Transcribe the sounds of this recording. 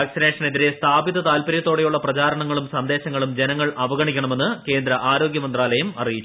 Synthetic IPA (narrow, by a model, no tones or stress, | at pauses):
aːksineːʂɐne̞ðiɾe̞st̪ʰaːbiðɐt̪aːlpɐɾjɐt̪ːo̞ːɽejuɭːɐprɐt͡ɕaːɾɐɳɐŋːɐɭumsɐnd̪e̞ːɕɐŋːɐɭumd͡ʑenɐŋːɐɭʔɐʋɐɡɐɳikʲːɐɳɐme̞nːɨke̞ːnd̪ɾɐʔaːɾo̞ːɡjɐmɐnd̪raːlɐjɐmɐrijit͡ɕːu